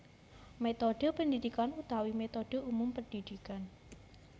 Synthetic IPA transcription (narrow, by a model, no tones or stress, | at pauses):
met̪oɖəpəndidikanut̪awimet̪oɖ̥əumʊmpəndidikan